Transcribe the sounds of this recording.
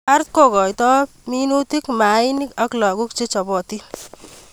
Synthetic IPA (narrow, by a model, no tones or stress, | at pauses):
aɾt̪̚koɡɔjt̪ɔ | minut̪ikmainikʌklɔɡukt͡ʃit͡ʃʌbɔt̪i